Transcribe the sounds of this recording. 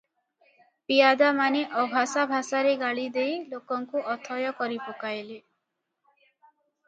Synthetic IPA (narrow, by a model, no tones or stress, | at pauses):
pijad̪amaneʔɔbʱasabʱasaɾeɡaɭid̪ejlokɔŋkuʔɔt̪ʰɔjɔkɔɾipokajle